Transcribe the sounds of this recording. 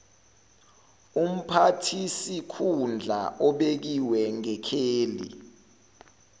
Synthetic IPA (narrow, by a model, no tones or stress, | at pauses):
um̩pʰatʰisikʰund͡ɮʱa̰ʔɔɓek̬iwɛŋɛkʰeːlḭ